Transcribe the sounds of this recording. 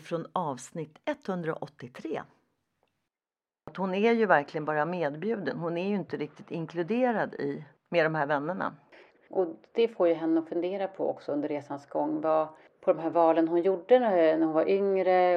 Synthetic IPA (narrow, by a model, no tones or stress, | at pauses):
fɾonɑːvsnɪt̪ːɛt̪ːhɵnd̪ɾa̰ʔɔt̪ːɪt̪ʰɾḛː | t̪hʊnæɾjɵvæɾklɪɡənbɑːɾameːd̪bjʉ̟ːd̪ənɦʊnæɾjɵɪnt̪əɾɪk̚t̪ɪ̥t̪ɪŋkʰlɵd̪eːɾad̪ɪ̰ | med̪ɔmɦæːɾvɛnːəɳa̰ | ʔɔd̪̥ɛfoːɾjɵɦɛnːəɔfɵnd̪eːɾapʰɔ̰ɔ̰ksɔɵnd̪əɾeːsansɡɔŋːva | pʰɔd̪ɔmɦæːɾvɑːlənɦʊnjʊɖːənnæɾhʊnvaɾʔʏŋɾə